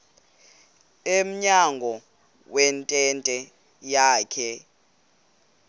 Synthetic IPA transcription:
em̩ɲaŋɡʱɔ | wɛntʼɛntʼɛ | jaːkʰɛ

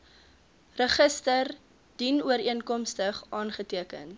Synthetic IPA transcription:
rəχəstər | d̥inuəɾiənkɔmstəχʔɑːnχətiəkən

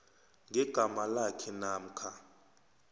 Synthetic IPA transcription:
ŋʱɛɡ̥ʱamalakʰɛnaːm̩kʰa

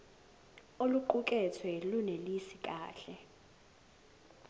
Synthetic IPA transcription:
oluǃuk̬ʼɛt͡sʰwɛlunelisik̬ʼaːɬɛ

